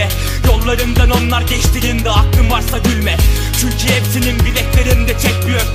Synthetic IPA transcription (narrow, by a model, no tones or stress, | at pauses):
ɛ | jo̞lˠːaɾɯnd̪ano̞nlˠaɾɟɛʃt̪ʰiɾind̪ɛak̚t̪ɯmvaɾsaɟylʲmɛ | t͡ʃʰyɲcʰyepsininbilʲɛt̪ʲlʲe̞ɾimd̪ɛt͡ʃʰɛclʲijoɾ